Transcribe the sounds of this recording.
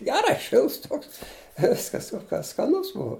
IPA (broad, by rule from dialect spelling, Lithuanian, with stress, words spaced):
ˈɡʲæːrɐɪ ˈʃʲɪlˠts ˈtoːks ɪ ˈʋʲɪskɐs oː kɐ skɐˈnʊs ˈbʊɐ